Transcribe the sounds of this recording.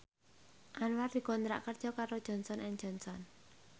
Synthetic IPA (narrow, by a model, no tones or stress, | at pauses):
ʔanward̪̥i̤kɔnt̪ɾa̰ʔkərd̥ʒ̥ɔ̤kaɾod̥ʒ̥ɔ̤nsɔnʔɛŋ̥ʒ̥ɔ̤nsɔn